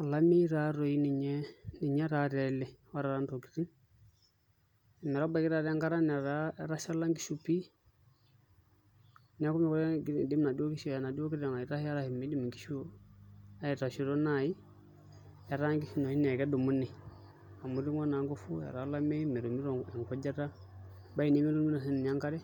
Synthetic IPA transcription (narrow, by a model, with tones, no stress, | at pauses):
a˨la˦me˦i˦ɾa˦ɾo˨i˦ni˨ɲɛ˦ni˨ɲɛ˦ɾa˦ɾɛ˨lɛ˨wa˦ɾa˨ɾa˦ndo˨ki̥˨ɾi˦ | ɛ˨mɛ˨ɾa˦ba˨ki˦ɾa˨ɾa˦ŋɡa˦ɾa˦na˨ɾa˦ɾa˦ʃa˦la˦ŋɡi˦ʃu˦pi˦ | n˦a˦ku˦mɛ˦kɔ˦˨di˦m˦na˨di˦o˦ki˦ʃɔ˨a˨na˨di˦o˦ki˦ɾa˨ŋa˨i˨ɾa˦hi˦ja˦ɾa˦hi˨me˨˦di˦mi˨ŋɡi̥˦ʃu˦a˦jɛ˨ta˨ʃi˨ɾo˦na˨i˦ | ja˨ɾa˦ŋɡi˦fi˦no˨hi˦nɛ˨kɛ˦du˨mu˦nːi˨ | a˨mu˨ɾi˦ŋɔ˦na˨˦ŋɡo˦fu˦ja̰˨ɾa˨˦la˦me˦i˦me˨ɾu˨mi˦ɾɔ˨ɛ˨ŋkɔ˦d͡ʒa˦ta˦ | ba˦i˨ni˦mi˦du˦mi˦na˨si˦n˨n˨a˦ŋka˦ɾɛ˦